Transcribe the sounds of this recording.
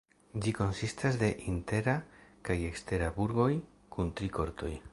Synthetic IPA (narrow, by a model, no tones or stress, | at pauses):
d͡ʒiko̞nsistasde̞ʔinte̞ɾakaje̞kste̞ɾabuɾɡo̞j | kuntɾikʰo̞ɾt̪ʰo̞̰j